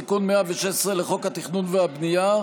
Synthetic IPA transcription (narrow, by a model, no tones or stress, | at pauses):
ikunmeaveʃesʁeleχo̞khat̪iχnunveabnija